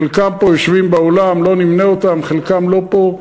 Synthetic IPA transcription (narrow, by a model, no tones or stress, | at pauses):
lkampojoʃvimbeolamlo̞nimneot̪amχelkamlo̞po̞